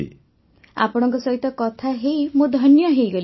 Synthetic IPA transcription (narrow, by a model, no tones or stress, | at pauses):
ḭ | a̰pɔɽ̃ɔŋkɔsɔɦit̪ɔkɔt̪ʰaɦejmud̪ʱɔnjɔɦejɡɔl